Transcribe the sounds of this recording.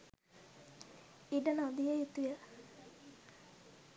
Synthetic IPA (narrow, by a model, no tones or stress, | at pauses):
iɖənad̪ijəjut̪ujə